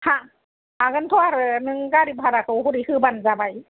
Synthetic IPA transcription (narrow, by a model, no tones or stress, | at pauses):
ha | aɡɯnt̪ʰɔaɾɯnɯŋɡaɾib̚ɦaɾakʰɯwɦuɾihɯbanzabaj